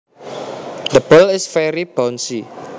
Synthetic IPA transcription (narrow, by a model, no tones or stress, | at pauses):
d̪əbɔlɪsfɛɾib̥ansi